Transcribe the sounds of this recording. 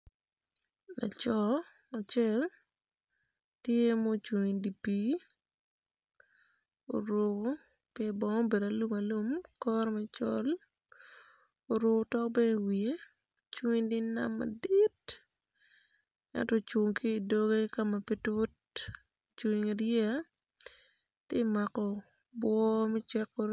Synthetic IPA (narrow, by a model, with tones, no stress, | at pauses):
na̰˨t͡ʃɔ˨ | a˨t͡ʃɛ˦l | tje˦mo˦t͡ʃu˨ŋindi˨pi˦ | o̰˨ɾo˨˦ | pjɛ˦bɔ˨ŋɔ˦be˨da˨lu˦ma˨lu˦mkɔ˦ɾmɛ˦t͡ʃɔ̰˦l | o˨ɾo˨˦tɔ˦bɛ˦˨wie˦ | t͡ʃwu˦ŋi˦ndi˦na̰˦mːa̰˨di˦t | ɛ̰˦ntɔ˦t͡ʃwo˨ŋkiː˦˨do˦ɡe˦ka˦ma˨pi˦tʊ˦t̚ | t͡ʃu˨ŋ˨ŋa˨ɾja˦ | tje˦ma˨kɔ˨ | bwɔ˦mɛ˦t͡ʃɛ˦kːɔ˦ɾ